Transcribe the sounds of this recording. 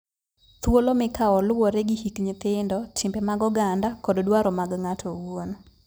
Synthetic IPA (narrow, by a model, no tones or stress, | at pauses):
t̪wolɔmɪkaɔlwoɾɛɡihikɲɪt̪ɪndɔtʰɪmbɛmaɡɔɡandakɔddwaɾɔmaɡŋatʰɔwon